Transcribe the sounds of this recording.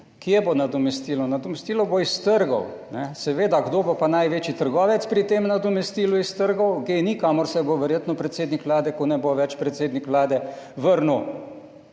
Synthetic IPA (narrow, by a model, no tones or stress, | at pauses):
kijɛbonad̪ɔmɛst̪iːlɔnad̪ɔmɛst̪iːlɔboist̪əɾɡɔ̰wnɛsɛʋeːd̪aɡd̪oːbopanajʋeːt͡ʃit̪əɾɡɔːʋɛt̪spɾit̪eːmnad̪ɔmɛst̪iːluist̪əɾɡɔwɡenikamɔɾsɛboʋɛɾjeːt̪nɔpɾɛt̪seːd̪nikʋlaːd̪ɛkɔnɛboʋɛt͡ʃpɾɛt̪seːd̪nikʋlaːd̪ɛʋəɾnu